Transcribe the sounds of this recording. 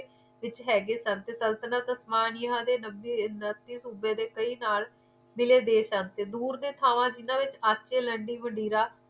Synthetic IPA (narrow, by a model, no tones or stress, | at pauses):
ʋɪt͡ʃɦɛːɡeːsənt̪eːsəlt̪ənaːt̪əsmaːnɪjɦãːd̪eːnəbiːnət̪iːsuːbeːd̪eːkəiːnaːl | mɪleːd̪eːsənt̪eːd̪uːɾd̪eːt̪ʰaːʋãːd͡ʒɪnãːʋɪt͡ʃaːtːʃeːləɳɖiːʋəɳɖiːɾaː